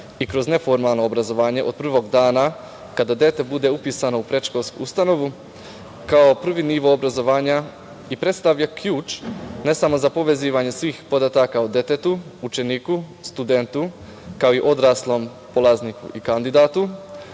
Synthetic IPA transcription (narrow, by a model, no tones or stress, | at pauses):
ikɾo̞zne̞fo̞ɾmalˠno̞obɾazoʋaːɲe̞ʔo̞d̪̚pr̩ʋo̞ɡd̪aːna | kad̪ad̪jet̪e̞bud̪e̞upiːsanoupɾe̞t͡ʃkolˠskṵust̪ano̞ʋu | kao̞pr̩ʋiniʋo̞obɾazo̞ʋaːɲa | ipɾe̞t̪st̪aʋʎakjuːt͡ʃne̞samo̞zapo̞ʋe̞ziːʋaɲe̞sʋiːxpo̞d̪at̪akaud̪je̞t̪et̪uut͡ʃe̞niːku | st̪ud̪e̞nt̪u | kao̞iʔo̞d̪ɾaːslˠo̞m | polˠaznikṵikand̪id̪at̪u